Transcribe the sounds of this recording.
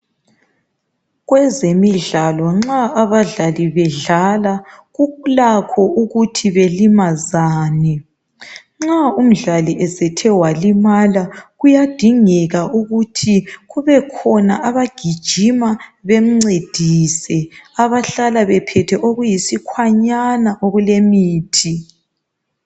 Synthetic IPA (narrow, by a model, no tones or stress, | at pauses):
ɣwɛzemiɮalɔŋ͡ǁaːβaɮaliβɛɮalaɣulakʰɔuɣutʰiβelimazaːni | ŋ͡ǁaum̩ɮaliʔɛsɛtʰɛwalimalaɣujad̥ʱiŋɛɣauɣutʰiɣuβɛkʰɔnaʔaβaɡ̥ʱid̥ʒ̥ʱimaβem̩ŋ͡ǀed̥ʱiːsɛaβaɬalaβɛpʰɛtʰɛʔoɣujisikʰwaɲanaʔoɣulemiːtʰi